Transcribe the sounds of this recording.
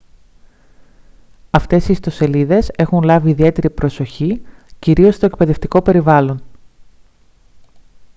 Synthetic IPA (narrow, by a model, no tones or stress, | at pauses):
ɐft̪e̞sist̪o̞se̞liðe̞se̞xunlɐviːðie̞t̪e̞ɾipɾo̞so̞çiciɾio̞st̪oek̚pe̞ðe̞ft̪iko̞pe̞ɾivɐlo̞n